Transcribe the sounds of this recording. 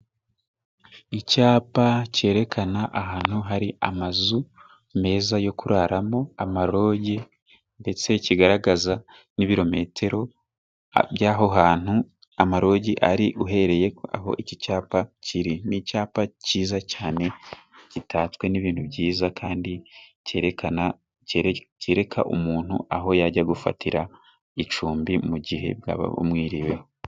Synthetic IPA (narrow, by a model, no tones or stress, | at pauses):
icaːpace̞ːɾe̞kʰanaʔaɦaːn̥huɦaɾia̰mazu | me̞ːzajo̞kuɾaɾamo̞amaɾo̞ːɟe | nde̞t͡se̞ciɡaɾaɡaza | niβiɾo̞me̞ːtʰe̞ɾo̞ | bjaːɦo̞ɦaːn̥hu | amaɾo̞ːɟiʔaɾiʔuɦe̞ɾe̞je̞a̰ɦo̞̰ʔicicaːpaciɾinicaːpaciːzacaːne̞citʰaːt͡skwe̞niβiːnhuβɟiːzakʰaːndi | a | ceɾe̞kʰa̰ʔṵmuːn̥hṵʔaɦo̞jaɟaɡufa̰tʰiɾa | it͡ʃuːmbimuɟiɦe̞̰bja̰ːβa̰mŋiːɾiwe̞o